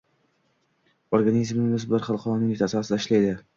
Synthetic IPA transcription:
oɾɡanizmnɪŋnʊsblaɾχɑlˠqʰɒɾɒnɪŋɪt̪ʰasasɪd̪aɪʃlajd̪ɪ

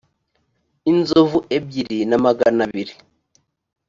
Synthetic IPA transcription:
inzovuʔebɟiɾinamaɡanaβiɾi

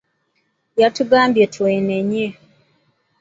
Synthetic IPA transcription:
jatuɡaːmbjetʰweːneɲe

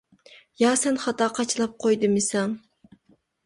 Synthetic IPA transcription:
jɑːsɛnχɑt̪ɑːqʰɑt͡ʃʰɨlˠɑp̚qʰojd̪ɨmɨsɑŋ

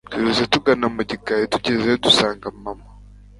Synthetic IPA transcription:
tuɾuzetuɡanamuɟikajetuɟezeodusaːŋɡamama

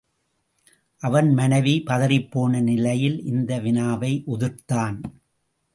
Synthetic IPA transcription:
ʔɐʋɐnmɐnɐʋipɐðɐɾɪpːoːnɐnɪlɐjɪlʔɪnd̪ɐʋɪnaːʋɐɪʔʊðɯrt̪aːn

